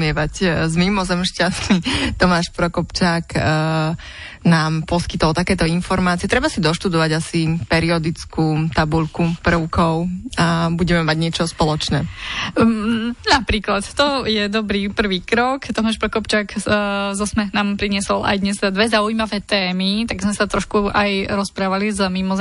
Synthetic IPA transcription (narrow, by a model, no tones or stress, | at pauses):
mɪɛʋaczmimɔzɛmʃcast̪it̪ɔmaːʃpɾɔkɔpt͡ʃaːk | naːmpɔskit̪ɔlˠt̪akɛːt̪ɔinfɔɾmaːt͡siɛt̪ɾɛbasid̪ɔʃt̪ud̪ɔʋaɟasipɛɾiɔd̪it͡skuːt̪abuʎkupr̩ʊkʰɔʊabuɟɛmɛmaɟɲɪɛt͡ʃɔspɔlɔt͡ʃnɛː | napɾiːklat̪t̪ɔjɛd̪ɔbɾiːpr̩ʋiːkɾɔkt̪ɔmaːʃpɾɔkɔpt͡ʃaːkzɔsmɛnaːmpɾiɲɪɛsɔla̰jd̪ɲɛst̪ɛd̪ad̪ʋɛzaujmaʋɛːt̪ɛːmit̪aɡzmɛsat̪ɾɔʃkuʔajɾɔspɾaːʋalizəmimɔz